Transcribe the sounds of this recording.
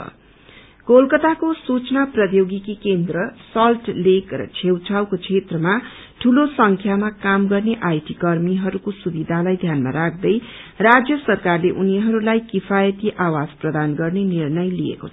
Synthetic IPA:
kolkʌt̪akosut͡snaprʌd̪joɡikikend̪rʌsʌlʈlekrʌ̰t͡sʰewt͡sʰawkot͡sʰet̪rʌma | ʈʰulosʌŋkʰjamakamɡʌrneʔajʈikʌrmiɦʌɾukosubid̪ʱalajd̪ʱjanma̰ɾak̚ʰd̪ʌj | rad͡zjʌsʌrkarleʔuniɦʌɾulajkipʰajʌt̪iʔawad͡zprʌd̪anɡʌrnenirnʌjliḛkot͡sʰʌ

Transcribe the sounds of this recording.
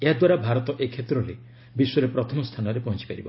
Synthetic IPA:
eɦad̪waɾabʱaɾɔt̪ɔʔekʰet̪ɾɔle | biswɔɾepɾɔt̪ʰɔmɔst̪ʰanɔɾepɔɦɔnt͡ʃi̥paɾibɔ

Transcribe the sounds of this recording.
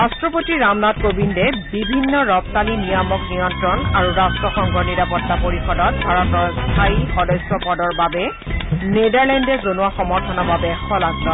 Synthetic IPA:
ɹastɹɔpotiɹamnatkobindɛbibʱinːɔɹɔp̚talinijɔmɔknijɔntɹɔnaɹuɹastɹɔxɔŋɡʱɔɹniɹapɔtːapoɹixɔdɔt̚bʱaɹɔtɔɹstʰajixɔdɔjswɔpɔdɔɹbabɛ | nedaɹlɛndɛzonuwaxɔmɔɹtʰɔnɔbabɛxɔlatɹɔ

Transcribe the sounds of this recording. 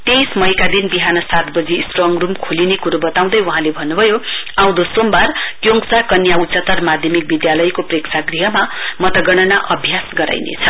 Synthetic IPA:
t̪esmʌjkad̪inbiɦanʌsat̪bʌd͡zisʈrʌŋrumkʰolinekuɾubʌt̪aw̃d̪ʌjwuɦãlebʱʌnːubʱʌjoãw̃d̪osombarkjoŋksakʌnjaut͡sʌt̪ːʌrmad̪ʱjʌmik̚bid̪jalʌjkopreksʰaɡriɦʌmamʌt̪ʌɡʌɽ̃ʌnaʔʌbʱjasɡʌɾa̰jnḛt͡sʰʌ

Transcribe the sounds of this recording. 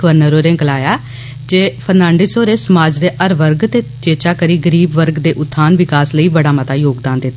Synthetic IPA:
əʋəɾnəɾoːɾẽːɡəlaːjaː | d͡ʒeːpʰəɾnãːɳɖeːsoːɾeːsəmaːd͡ʒd̪eːʔəɾʋəɾɡt̪eːt͡ʃeːt͡ʃaːkəɾiːɡəɾiːbʋəɾɡd̪eːʔʊt̪ʰːaːnʋɪkaːsləiːbəɽaːmət̪aːjoːɡd̪aːnd̪ɪt̪ː

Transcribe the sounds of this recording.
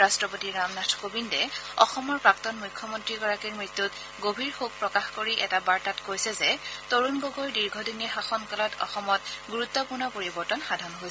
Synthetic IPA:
ɹastɹɔpotiɹamnatʰkobindɛɔxɔmɔɹpɹaktɔnmujkʰːɔmɔntɹiɡɔɹakiɹmɹitːut | ɡobʱiɹxuɡ̚pɹɔkaxkoɹiʔɛtabaɹtatkojsɛzɛtoɹunɡoɡoɹdiɹɡʱɔdinixaxɔnkalɔtʰɔ̰xɔmɔtɡuɹut̪ːɔpuɹnɔpoɹibɔɹtɔnxadʱanɦojsɛ

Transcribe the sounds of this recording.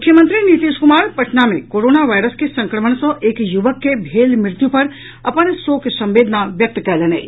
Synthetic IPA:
mmʊkʰjəmə̃nt̪ɾinit̪iːʃkʊmaːɾpɐʈnamẽkoːɾoːnaʋaːjɾəskesɐ̃ŋkɾəməɳ̃sɔ̃ʔeːkjuʋəkːebʱeːlmɾɪt̪jupɐɾ | ɐpənsoːksɐ̃mʋeːd̪ʱnaʋjɐk̚t̪kɛleːnḛː

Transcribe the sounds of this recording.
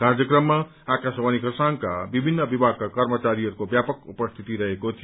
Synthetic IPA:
ɡãɾd͡zjʌkrʌmːa | akasbanikʌsaŋka̰bibʱinːʌbibʱaɡ̚kakʌrmʌt͡saɾiɦʌɾukobjapʌkupʌst̪ʰit̪iɾʌɦekot̪ʰi

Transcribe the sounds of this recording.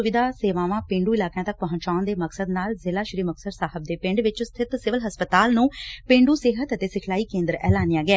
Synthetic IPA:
ʊʋɪd̪ʱaːseːʋãːʋãːpɪ̃ɳɖuːɪlaːkjãːt̪ək̚pəɦə̃t͡ʃaːʊnd̪eːməksəd̪naːlzɪlaːʃɪɾiːməksəɖsaːɦəb̚d̪eːpɪ̃ɳɖʋɪt͡ʃst̪ʰɪt̪sɪʋəlɦəspət̪aːlnũːpɪ̃ɳɖuːsɪːɦət̪ət̪eːsɪkʰlaːiːkẽːnd̪əɾɛ̰ːlaːnɪjaːɡɛː

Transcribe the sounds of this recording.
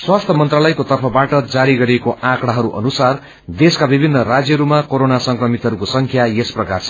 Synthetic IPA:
swast̪ʰʌmʌnt̪ralʌjkot̪ʌrpʰʌbaʈʌd͡zaɾiɡʌɾekoãkɽaɦʌɾuʔʌ̰nusar | d̪eskabibʱinːʌrad͡zjʌɾumakoɾonasʌŋkrʌmit̪ɦʌɾukosʌŋkʰjajesprʌkart͡sʰʌ

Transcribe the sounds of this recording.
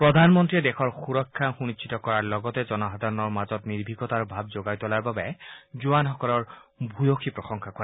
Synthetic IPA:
pɹɔd̪ʱanmɔntɹiɛdɛxʰɔɹxuɹɔkʰːaxunit͡ʃʰːitɔkɔɹaɹlɔɡɔtɛzɔnɔɦad̪aɹɔnɔɹmazɔtniɹbʱiɡɔtaɹbʱab̚zoɡajtɔlaɹbabɛzuanɦɔkɔlɔɹbʱujoxʰipɹɔxɔŋkʰakɔa

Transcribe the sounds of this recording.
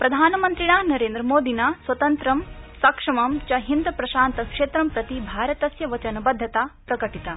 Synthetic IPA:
pɾɐd̪ʱaːnɐmɐnt̪ɾiɳaːnɐɾeːnd̪ɾɐmoːd̪ʱinaːswʋɐt̪ɐnt̪ɾɐmsɐkʂɐmɐmt͡ʃɐɦind̪ɐpɾɐʃaːnt̪ɐkʂeːt̪ɾɐmpɾɐt̪ibʱaːɾɐt̪ɐsjɐʋɐt͡ʃɐnɐbɐd̪ʱːɐt̪aːpɾɐɡɐʈit̪a

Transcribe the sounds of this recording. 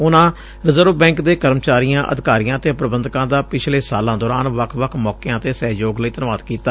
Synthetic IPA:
ʊnãː | ɾɪzəɾʋbɛ̃ːŋkd̪eːkəɾmt͡ʃaːɾijãːʔə̰d̪ɪkaːɾijãːt̪eːpɾəbənd̪kãːd̪aːpɪt͡ʃʰleːsaːlãːd̪ɔːɾaːnʋəkʰʋəkʰmɔːkejãːt̪eːsɛːɦjoːɡləiːt̪ənʋaːd̪kiːt̪aː

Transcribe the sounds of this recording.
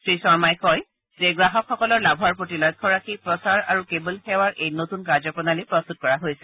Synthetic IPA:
sɹisɔɹmajkɔj | zeɡɹaɦɔkxɔkɔlɔɹlabʱaɹpɹotilɔjt̚kʰɔɹakʰipɹɔsaɹaɹukebulxɛwaɹʔejnotunkaɹzɔpɹɔnalipɹɔst̪ut̚kɔɹaɦojsɛ̥

